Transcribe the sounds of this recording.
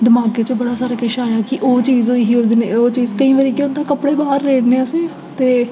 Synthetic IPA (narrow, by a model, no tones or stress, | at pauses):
d̪əmaːɡeːt͡ʃəbəɽaːsaːɾaːkɪʃaːjaːkɪʔoːt͡ʃiːzoːiːɦioːzneoːt͡ʃiːzkəĩːʋaːɾiːkʊ̃nd̪ãːkəpɽeːbaːɾːeːɽneːəsẽː | t̪eː